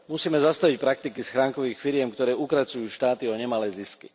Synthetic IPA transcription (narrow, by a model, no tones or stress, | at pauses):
musiːmɛzast̪aʋicpɾak̚t̪ikisxɾaːŋkɔʋiːxfiɾɪɛmkt̪ɔɾɛːukɾat͡sujuːʃt̪aːt̪iɔɲɛmalɛːziskḭ